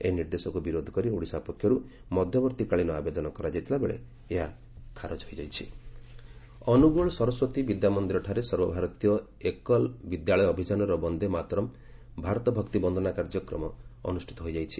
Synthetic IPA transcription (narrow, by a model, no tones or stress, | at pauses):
eniɾd̪esɔkubiɾod̪ʱɔ̥kɔɾiuɽisapɔkʰjɔɾu | mɔd̪ʱjɔbɔɾt̪ikaɭinɔabed̪ɔnɔkɔɾad͡ʒajt̪ʰilabeɭḛ | eɦa | kʰaɾod͡ʒɦojd͡ʒajt͡ʃʰi | ɔnuɡɔɭɔsɔɾɔswɔt̪ibid̪jamɔnd̪iɾɔʈʰaɾesɔɾbɔbʱaɾɔt̪ijɔ | ekɔlbid̪jaɭɔjɔːbʱid͡ʒanɔɾɔbɔnd̪ʱemat̪ɾɔm | bʱaɾɔt̪ɔbʱɔkt̪ibɔnd̪ʱɔnakaɾd͡ʒɔkɾɔmɔ̰ːnusʈʰi̥t̪ɔɦojd͡ʒajt͡ʃʰi